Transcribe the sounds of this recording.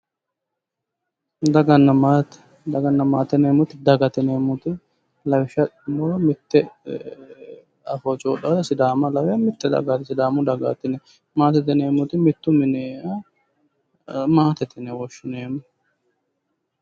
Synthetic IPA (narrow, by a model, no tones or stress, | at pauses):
d̪ɐɡɐnːɐmat̪ | d̪ɐɡɐnːɐmaːt̪ɛneːmʊt̪ɪd̪ɐɡɐt̪ɪneːmʊt̪ɪ | lɐwɪʃɐɪmɔɾmɪt̪ːɛ | ɐfɔt͡ʃʼoːᶑɐd̪ɐsɪd̪aːmɐlɐwɪjɐmɪt̪ːɛd̪ɐ̰ɡɐt̪sɪd̪aːmʊd̪ɐɡa̰t̪ːɪnɛ | maːt̪ɛt̪ɪneːmʊt̪ɪmɪt̪ːʊmɪneɐ | maːt̪ɛt̪ɪnɛwɔʃːɪneːmʊ